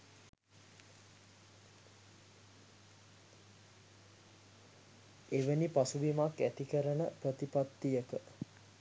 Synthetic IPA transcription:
eʋənipasubimakːæt̪ikəɾənəprət̪ipat̪ːijəkə

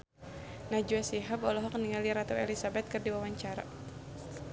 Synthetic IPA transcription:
nad͡ʒuasiɦabɔlɔɦɔk̚niŋaliɾat̪ɔɛlisabɛt̪̚kɨrdiwawaɲt͡ʃaɾa̰

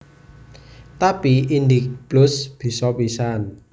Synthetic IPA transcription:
t̪apiind̪ik̚b̥lʊsb̥i̤sɔpisan

